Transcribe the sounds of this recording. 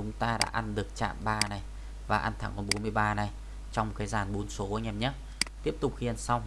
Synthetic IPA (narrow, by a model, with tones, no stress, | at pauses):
ʊ˨˦ŋ͡mt̪aː˧ɗa̰ː˧˥ʔa˧nɗɨ˨˩ək̚t͡ɕa̰ː˧˨mɓaː˧na˨˩j | vaː˨˩ʔa˧nt̪ʰa˨˦ŋkɔ˧˩nɓo˨˦nmɨ˧əjɓaː˧na˨˩j | t͡ɕɔ˧wŋ͡m̚kaː˨˦jzaː˨˩nɓo˨˦nso˨˦˧ɲɛ˧˩mɲə˦˥t̚ | t̪i˦˥əp̚t̪ʊ˨˩k͡p̚xi˧˩ə˨˩nsa˧wŋ͡m